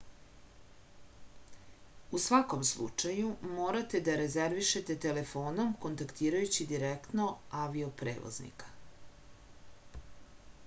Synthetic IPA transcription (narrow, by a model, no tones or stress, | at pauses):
usʋako̞mslˠṵt͡ʂajumoːɾat̪e̞d̪aɾezeɾʋiʃet̪e̞t̪ele̞fo̞ːno̞mko̞nt̪akt̪iːɾajut͡ɕid̪iɾekt̪no̞aʋiopɾḛːʋo̰znḭkḁ